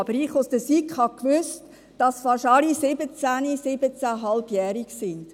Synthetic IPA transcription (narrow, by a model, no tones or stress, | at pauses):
ɑb̥əɾiχʊsd̥əsikhɑkʋʏst | d̥ɑsfɑʃɑlisɪbət͡sænisɪbət͡sæɦɑlb̥jɛːɾiksɪnd̥